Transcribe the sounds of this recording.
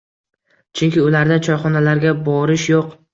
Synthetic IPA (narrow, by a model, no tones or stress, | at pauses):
t͡ʃʰʊŋkʲɪʊlaɾd̪at͡ʃʰɒjχɒnalaɾɡʲabɒɾɪʃjoq